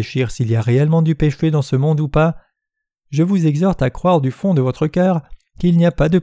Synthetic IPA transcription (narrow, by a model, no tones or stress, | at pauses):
eʃiʁsilijaʁeɛlmɑ̃d̪ypeʃed̪ɑ̃səmɔ̃d̪upa | ʒəvuzɛɡzɔʁt̪akχwaʁd̪yfɔ̃d̪əvɔt̪χəkʲœːʁ | kilniapad̪ə